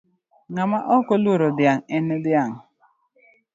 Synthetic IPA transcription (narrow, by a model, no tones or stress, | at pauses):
ŋamaʔɔkɔluɾodɪaŋ̩enɪdɪaŋ̩